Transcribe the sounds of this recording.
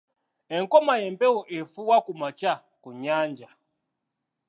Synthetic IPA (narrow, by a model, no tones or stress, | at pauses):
ɛŋkɔmajɛmpɛuʔɛfuwakumat͡ʃa | kuɲand͡ʒa